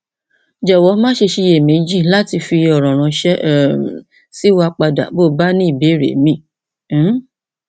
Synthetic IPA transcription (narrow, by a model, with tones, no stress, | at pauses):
d͡ʒɛ˨wɔ˨˦mãː˦ʃe˧ʃe˧je˨mẽ˨˦d͡ʒi˦˨la˦ti˧fi˧ɔ˨ɾ̃ɔ̃˨ɾ̃ã˨˧ʃɛ˦˨ | si˦wa˧k͡pa˧da̰˨bo˦˨ba˦nĩ˦i˦˨be˨˦˨ɾḛ˨mĩ˦